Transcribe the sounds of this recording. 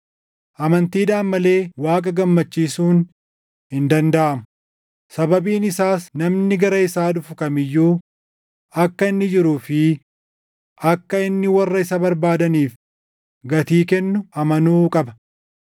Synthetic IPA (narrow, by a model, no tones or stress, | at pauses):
ʔɐmɐnt̪iːd̪aːmːɐle̞ːwaːkʼɐɡɐmːɐt͡ʃːiːsuːn | hɪnd̪ɐnd̪ɐʔɐmʊ | sɐbɐbiːnɪsaːsnɐmnɪɡɐɾɐɪsaːd̪ʊfʊkɐmɪjːuː | ɐkːɐɪnːɪd͡ʒɪɾuːfɪ | ʔɐkːɐɪnːɪwɐrːɐɪsɐbɐɾbaːd̪ɐniːf | ɡɐt̪iːkɛnːʊɐmɐnuːkʼɐbɐ̥